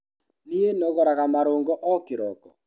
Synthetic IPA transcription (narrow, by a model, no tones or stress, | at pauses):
nienɔɣɔɾaɣamaɾoːŋɡɔʔɔkɪɾɔkɔ̰